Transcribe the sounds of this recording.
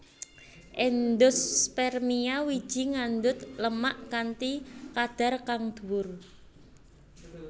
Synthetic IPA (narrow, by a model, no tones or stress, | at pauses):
ʔɛnd̪ʊspɛrmiawid̥ʒ̥i̤ŋand̪ʊt̪ləmaʔkant̪ikad̪̥a̤rkaŋd̪̥uwʊr